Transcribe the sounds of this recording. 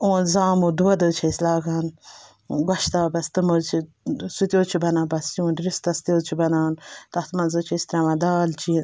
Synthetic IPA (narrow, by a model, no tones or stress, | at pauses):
õːnzaːmuːd̪uwɐd̪əːt͡ʃʰɐislaːɡaːn | ɡɐʃt̪aːbɐst̪ɨmət͡ʃʰi | sut̪joːt͡ʃʰibɐnãːbɐsjũːnɾist̪ɐst̪ʲoːt͡ʃʰibɐnaːnt̪ɐht̪mɐnzɐt͡ʃʰɐist̪ɾɐmɐd̪aːlt͡ʃʰi